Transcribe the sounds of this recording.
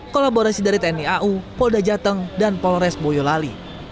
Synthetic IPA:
kolaboɾasidaɾit̪ɛniaʔupɔldad͡ʒat̪əŋdanpɔlɾɛsbojɔlali

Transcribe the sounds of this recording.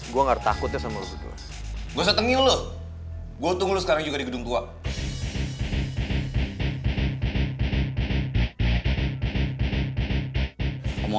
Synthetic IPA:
ɡuaŋart̪akʊt̪jasamalusut̪ṵa̰ | ɡuas̬ət̪əŋiulʊ | ɡuaut̪ʊŋlʊsə̥kaɾaŋd͡ʒuɡadiɡədʊŋt̪ua | amɔ

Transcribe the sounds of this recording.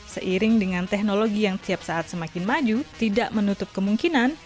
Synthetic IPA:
səʔiɾɪŋdəŋant̪ɛk̚noloɡijaŋt̪iap̚saʔat̪̚səmakɪnmad͡ʒut̪idaʔmənut̪ʊp̚kəmuŋkinan

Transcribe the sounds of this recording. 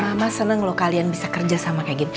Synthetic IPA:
mamasənəŋlokalianbisakərd͡ʒasamakaɡɪn

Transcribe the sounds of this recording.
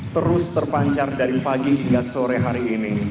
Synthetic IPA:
t̪əɾʊst̪ərpaɲt͡ʃardaɾipaɡiɦiŋɡasoɾɛɦaɾiːni

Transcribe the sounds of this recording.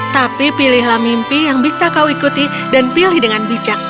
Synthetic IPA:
t̪apipilɪɦlamimpijaŋbisakauikut̪i | danpilɪhdəŋanbid͡ʒak̚

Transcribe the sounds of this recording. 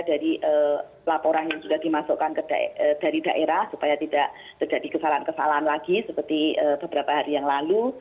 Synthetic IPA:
daɾiʔə | lapoɾanjaŋd͡ʒuɡahdimasokankəda̰d̥aɾidaʔeɾahsupajat̪idaʔ | t̪ərd͡ʒadikəsalaankəsa̰laɦanlaɡ̥isəpərt̪iəb̥əb̥əɾapaɦaɾijaŋlalu

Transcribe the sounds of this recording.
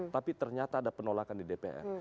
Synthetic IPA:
t̪apit̪ərɲat̪aːdapənolakandidepḛʔɛ̰r

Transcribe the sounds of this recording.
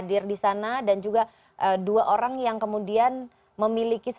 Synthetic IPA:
dɪrdisanadand͡ʒuɡa | ʔəduaʔoɾaŋjaŋkəmudian | məmilikis

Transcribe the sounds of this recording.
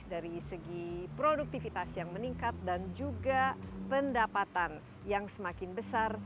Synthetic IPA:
daɾisəɡipɾoduk̚t̪ifit̪asjaŋməniŋkat̪̚dand͡ʒuɡapəndapat̪an | jaŋsəmakɪnbəsar

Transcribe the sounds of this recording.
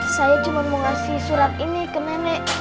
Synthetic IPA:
sajḁd͡ʒumanmuŋasisuɾat̪̚inikənanɛʔ

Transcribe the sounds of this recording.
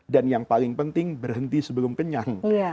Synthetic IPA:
danjaŋpalɪŋpənt̪ɪŋbərɦənt̪isəbəlʊmkəɲan

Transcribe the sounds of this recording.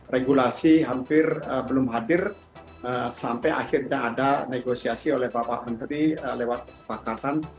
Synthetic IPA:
reɡulasiɦampɪrəbəlʊmɦadɪr | əsampɛjʔa̰xɪrɲaa̰daneɡosiasiolɛhbapa̰ʔmənt̪ɾiəlewat̪̚kə̥sə̥pakat̪an

